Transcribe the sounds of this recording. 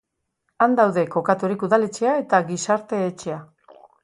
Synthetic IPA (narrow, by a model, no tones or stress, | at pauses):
and̪awðe̞ko̞kat̪uɾikuðale̞t͡ʃe̞ae̞t̪aɡisaɾt̪e̞ːt͡ʃe̞a